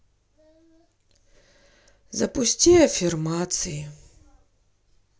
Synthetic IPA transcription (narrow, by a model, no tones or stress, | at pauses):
zɐpusʲtʲiɐfʲirmat̪sɨji